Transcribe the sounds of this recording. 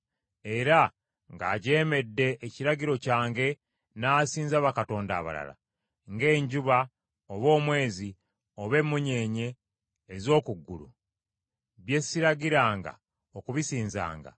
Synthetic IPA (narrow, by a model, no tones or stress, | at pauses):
e̞ɾa | ŋɡa̰ːɟe̞ːme̞dːe̞ːciɾaɟiɾo̞caːŋɡe̞ | naːsiːnzaβakato̞ːnda̰ːβa̰la̰la̰ | ŋɡe̞ːɲɟuβa | oβo̞ːmwe̞ːzi | o̞βe̞mːuɲe̞ːɲe̞ː | zo̞ːkuɡːulṵ | βje̞siɾaɟiɾaːŋɡa̰ | okuβisiːnza̰ːŋɡa̰